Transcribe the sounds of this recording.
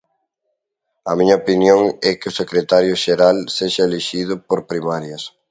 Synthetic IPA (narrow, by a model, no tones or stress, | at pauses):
ɐmiɲɐopinjoŋɛkɪʊsekɾet̪aɾjʊʃeɾalseʃaeleʃið̞ʊpoɾpɾimaɾjɐs